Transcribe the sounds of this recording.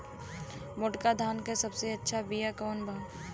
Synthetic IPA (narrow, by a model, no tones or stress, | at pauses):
mʊʈkad̪ʱaːnkasɐbseɐtːʃʰabijakɔːnbʱa